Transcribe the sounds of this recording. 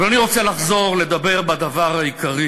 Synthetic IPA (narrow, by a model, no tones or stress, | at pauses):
valaniʁo̞t͡selaχzo̞ʁle̞d̪abe̞ʁbad̪avaʁhaikaʁi